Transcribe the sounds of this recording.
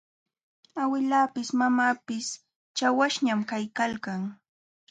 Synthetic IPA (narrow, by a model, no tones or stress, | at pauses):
awɪlaːpɪsmamaːpɪs | t͡ʃawaʃɲamkajkalkaŋ